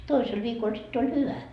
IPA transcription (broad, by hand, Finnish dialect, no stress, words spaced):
toisel ʋiːkol sitː olʲ hyʋæ